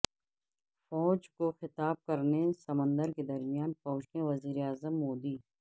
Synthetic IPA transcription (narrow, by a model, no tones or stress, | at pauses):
fɔːt͡ʃkoxɪt̪aːb̚kɐɾnesɐmə̃nd̪əɾked̪ɐɾmijaːnfɔːʃẽʋɐziːɾeaːzəmːoːd̪iː